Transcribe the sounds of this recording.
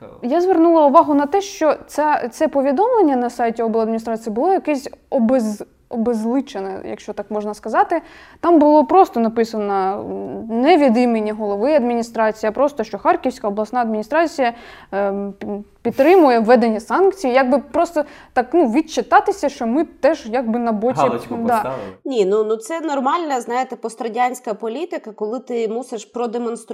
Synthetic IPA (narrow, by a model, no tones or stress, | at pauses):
jazʋernulˠɐʊʋɑɦʊnɐt̪ɛʃt͡ʃɔt̪sɛt̪sɛpɔʋʲid̪ɔmlˠenʲːɐnɐsɑjtʲiɔbɛlˠɐd̪mʲinʲist̪ɾɑt͡sʲijibʊlˠɔjɐkɛsʲɔbez | ɔbezlˠɪt͡ʃenɛ̰jɐ̰kʃt͡ʃɔt̪ɑkmɔʒnɐskɐzɑt̪ɪ | t̪ɑmbʊlˠɔpɾɔst̪ɔnɐpɪsɐnɐ | nɛʋʲid̪imenʲːiɦɔlˠɔʋɪɐd̪mʲinʲist̪ɾɑt͡sʲijɐpɾɔst̪ɔʃt͡ʃɔxɑrkʲiwsʲkɐɔblˠɐsnɑɐd̪mʲinʲist̪ɾɑt͡sʲijɐ | pʲit̪ːɾɪmʊjɛʋːɛd̪enʲːɐsɑnkt͡sʲijijaɡ̚bɪpɾɔst̪ɔt̪ɑknuʋʲit̪t͡ʃɪt̪ɑt̪ɪsʲɐʃt͡ʃɔmɪt̪ɛʒjɑɡ̚bɪnɐbɔt̪ʲid̪ɑnʲinunut̪sɛnɔrmɑlʲnɐznɑjɪt̪ɛpɔst̪ɾɐdʲanʲsʲkɐpɔlʲit̪ɪkɐkɔlˠɪt̪ɪmuseʃpɾɔd̪emɔnst̪ɾ